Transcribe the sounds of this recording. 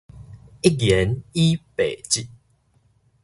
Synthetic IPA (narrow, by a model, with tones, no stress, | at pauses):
i˦ɡjɛ˨˦ni˦pe˨˩t͡ɕi˥˧ʔ